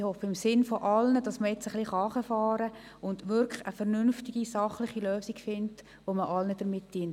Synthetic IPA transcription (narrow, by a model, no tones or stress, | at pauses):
hɔfəɪmsɪnfɔʔɑlnəd̥ɑsməɛt͡səχliχɑɑːχəfɑːɾə | ʊndʋʏɾkəfɛɾnʏnftɪɡ̥isɑχlɪχiløːsikfɪnt | ʋoməʔɑlnəd̥əɾmɪt̚d̥iənt